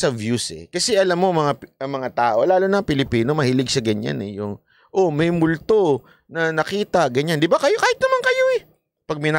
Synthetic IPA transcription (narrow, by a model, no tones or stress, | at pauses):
sɐvjusɛ̰kɐsɛʔɐlamːoŋmɐŋaɐŋmɐŋat̪aːʔo̞laːlonɐŋpɪlɪpiːno̞mɐhilɪɡ̚ʃɐɡɐɲa̰nɛ̰jʊŋ | ʔomɐjmʊlt̪o̞ | nɐnɐkiːt̪ɐɡɐɲand̪ɪbakɐjokaːhɪt̪̚nɐmankɐjo̞ɛ | pɐɡ̚mɪna